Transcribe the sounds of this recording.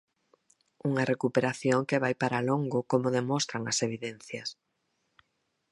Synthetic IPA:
uŋɐrekupeɾaθjoŋkeβajpaɾaloŋɡʊkomʊðemɔst̪ɾaŋɐseβ̞iðenθjɐs

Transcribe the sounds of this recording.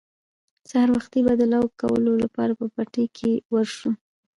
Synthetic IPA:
sahaɾwaxt̪ibad̪əlawkawə̰lolapɑ̰ɾapəpaʈekʰewəɾʃu

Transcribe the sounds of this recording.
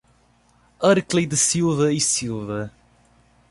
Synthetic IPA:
ɐɾklˠid̪ɨsilˠvɐisilˠvɐ

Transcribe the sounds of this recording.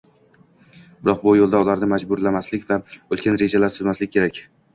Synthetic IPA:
bɪɾɒq̚bʊjolˠd̪aʊlaɾnɪmad͡ʒbʊɾlamaslɪkʲvaɵlˠkʲanɾe̞d͡ʒalaɾsʊzmaslɪkʲʰːe̞ɾakʲ

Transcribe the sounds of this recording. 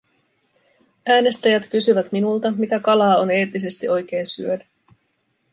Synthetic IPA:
æːne̞st̪æjæt̪k̟ysyʋæt̪minult̪ɑmit̪ækɑlɑːo̞ne̞ːt̪ːise̞st̪iʔo̞jk̟e̞jnsyødæ

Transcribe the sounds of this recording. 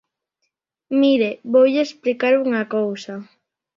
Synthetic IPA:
miɾeβowʎeesplikaɾuŋɐkowsɐ

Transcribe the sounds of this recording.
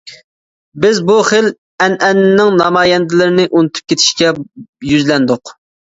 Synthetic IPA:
bɪzbuχel | ɛnɛnːɪnɪŋnɑmɑːjɛnd̪ɪlɪɾɪnɪʔunɨt̪ʰy̥p̚kʲʰet̪ʰɪ̥ʃkʲɛjyzlɛnd̪ʊq

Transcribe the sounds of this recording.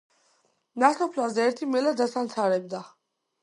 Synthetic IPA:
nasɔpʰlazɛːɾt̪ʰimɛlad̪asamt̪sʰaɾɛb̚d̪a

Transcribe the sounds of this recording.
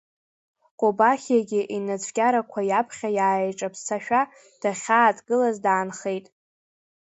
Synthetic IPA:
qʷʼobaχʲjaɡʲɪʔinat͡sʷʰʼkʲʼaɾakʷʰajapʰχʲajaːeʈ͡ʂʼapʰst͡sʰaʃᶣa | d̥aχʲaːtʰʼɡɨlazdaːnχejtʼ

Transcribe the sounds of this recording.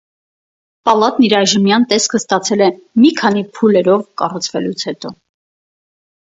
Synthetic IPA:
pɑlɑt̪niɾɑʒəmjɑnt̪ɛskʰəst̪ɑt͡sʰɛlɛmikʰɑn̪ipʰulɛɾɔvkɑrut͡sʰvɛlut͡sʰhɛt̪ɔ

